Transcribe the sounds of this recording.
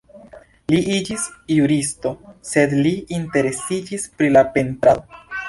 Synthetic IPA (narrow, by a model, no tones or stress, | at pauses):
liʔid͡ʒisjuɾisto̞se̞dliinte̞ɾe̞sid͡ʒispɾilape̞ntɾalo